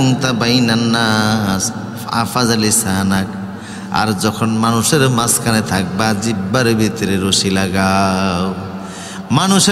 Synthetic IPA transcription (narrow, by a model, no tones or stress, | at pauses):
uŋt̪abajnanːa | a̰pʰad͡zalisaɦnak | a̰ɾd͡zʌkʰʌnmanuseɾmaskalat̪ʰak̚bad͡zibʌɾbʱit̪ɾeɾosilaɡaw | manus